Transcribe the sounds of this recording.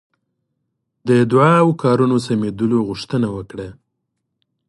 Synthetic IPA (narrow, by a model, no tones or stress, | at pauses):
d̪əd̪ʊʕawkɑɾunosamed̪əloɣʊʂt̪ənawəkɽa